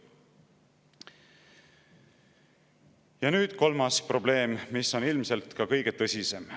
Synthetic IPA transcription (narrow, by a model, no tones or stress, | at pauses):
jɑnyːd̪̥ko̞lmɑspro̞ble̞ːmmisːo̞nilmse̞lt̪kɑkɤjɡ̥e̞t̪ɤsʲise̞m